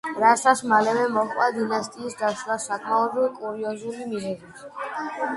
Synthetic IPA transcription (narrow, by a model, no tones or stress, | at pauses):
ɾasasmalɛvɛmɔχʼwad̪inast̪ʼiːsd̪aʃwasakʼmaɔbɾivkʼuɾiɔzulimizɛzi